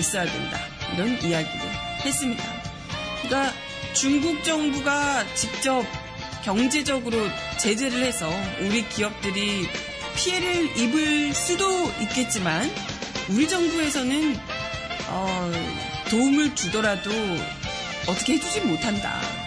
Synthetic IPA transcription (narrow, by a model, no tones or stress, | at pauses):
is͈ʌɦadḛnda̰ | iɾʌnijaɡido̰he̞s͈ɯmɲida̰ | ik͈a | t͡ɕuŋɡuk̚t͡ɕ͈ʌŋbuɡat͡ɕik̚t͡ɕ͈ʌp̚ | kjʌŋd͡ʑe̞d͡ʑʌɡɯɾo | t͡ɕe̞d͡ʑe̞ɾɯɭhe̞sʰʌuɾikiʌp̚t͈ɯɾi | pʰie̞ɾɯɾibɯɭs͈ɯdoit̚k͈e̞t̚t͡ɕ͈iman | uɾid͡ʑʌŋbue̞sʰʌnɯn | ʌ | toumɯɭtudʌɾado | ʌt͈ʰʌkʰe̞he̞d͡ʑud͡ʑimotʰanda̰